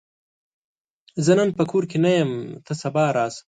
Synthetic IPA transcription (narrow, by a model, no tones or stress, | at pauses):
zɐnɐnpəkʰoːɾkenajɐmt̪ʰəsɐbɑːɾɑːs